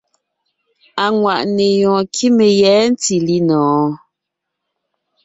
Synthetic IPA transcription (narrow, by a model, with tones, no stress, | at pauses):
a˨ŋwa˨ʔne˨jɔ̃ː˨kʰi˦me˨jɛ˨˦n̩˦ti˨li˦nɔ̃ː˨˦